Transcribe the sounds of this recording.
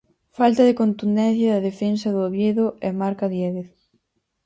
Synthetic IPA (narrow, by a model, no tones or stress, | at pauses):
falt̪ɐðekont̪und̪ɛn̟θjɐðɐðefensɐðʊoβjeðʊɛmaɾkaðjɛðeθ